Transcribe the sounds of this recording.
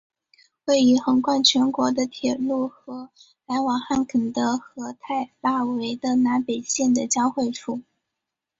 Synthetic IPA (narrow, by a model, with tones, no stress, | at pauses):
xwe˥˩ɪy˧˥xɤ˧˥ŋkwa˥˩nt͡ɕʰɥɛ˧˥nkwɔ˧˥d̪ə˧t̪ʰjɛ˨˩lu˥˩xɤ˧˥ | la˧˥ɪwɑ˨˩ŋxa˥˩nkʰə˨˩ŋd̪ə˧xɤ˧˥t̪ʰa˥˩ɪpa˥˩we˧˥ɪd̪ə˧na˧˥pe˨˩ɪɕjɛ˥˩nd̪ə˩t͡ɕjɑ˥ʊxwe˥˧ɪfʰu˥˩